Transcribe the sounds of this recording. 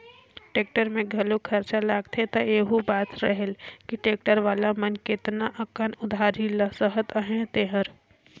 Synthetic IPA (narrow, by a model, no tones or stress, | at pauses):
ʈeːk̚ʈəɾmẽɡʱəlokʰəɾt͡ʃalaːɡt̪ʰet̪əeːɦubaːt̪ɾəɦelkiʈeːk̚ʈəɾʋaːlamənkɪt̪naʔəkənʊd̪ʱaːɾiləsəɦət̪əɦẽt̪eɦəɾ